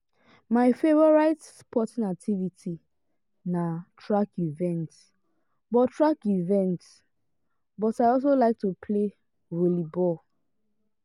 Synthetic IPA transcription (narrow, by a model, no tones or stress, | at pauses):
maɪfevɔɹaɪtspʰɔtĩnak̚tʰivitʰi | natʰɹakivɛ̃nt | bɔtɹakivɛ̃nt | bɔtaɪɔs̬olaɪk̚tupʰle | ɹelibɔl